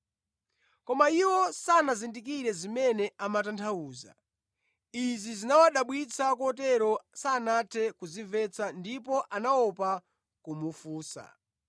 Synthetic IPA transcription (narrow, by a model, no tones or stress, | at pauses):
kɔmaiwɔsanazindikiɾɛzimɛnɛamatantʰauːza̰ | izizinawaɗaɓwit͡sʰakuɔtɛɾɔsaːnatʰɛkuziɱvɛt͡sʰandipɔʔanaɔpa | kumufuːsa̰